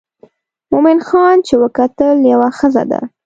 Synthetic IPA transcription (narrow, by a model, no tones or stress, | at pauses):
mʊmɪnxɑnt͡ʃewəkat̪əljawaxəza̰d̪a̰